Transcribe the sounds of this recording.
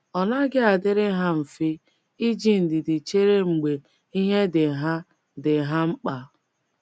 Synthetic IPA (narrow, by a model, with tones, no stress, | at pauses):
ɔ˨na˦ɡɪ˦a˨dɪ˦ɾɪ˦ɦa˦m̩˨fɪ˦ | i˦d͡ʒi˦n̩˨dɪ˨dɪ˨t͡ʃe˦ɾe˦ŋ͡m̩˨ɡ͡be˨ | i˦ɦe˦dɪ˨ɦa˦ | dɪ˨ɦa˦ŋ͡m̩˦k͡pa˨